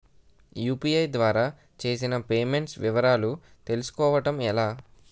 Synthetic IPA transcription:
juːpiːɐjd̪ʋaːɾaː | t͡ʃe̞ːsinɐpe̞ːme̞ɳʈsʋiʋɐɾaːlu | t̪e̞lusu̥kɔːʋɐʈɐmɛlaː

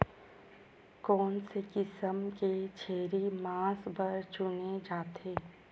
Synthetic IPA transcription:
kɔːnsekɪsəmket͡ʃʰeːɾimãːsbəɾt͡ʃʊned͡ʒaːt̪ʰeː

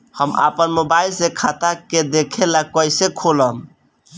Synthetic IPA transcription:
həma̰pənmobailsekʰat̪aked̪ekʰelakɔjsekʰoləm

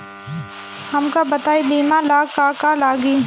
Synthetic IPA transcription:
hɐmkabɐt̪aːibiːmãːlaːkaːkaːlaːɡiː

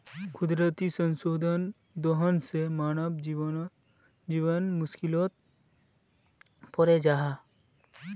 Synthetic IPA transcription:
kʰʊd̪ɾət̪isə̃nsoːd̪ʱən | d̪oɦənsemaːnəbd͡ʒ | d͡ʒiːʋənmʊʃkɪloːt̪̚ | pɔɾed͡ʒaːɦa

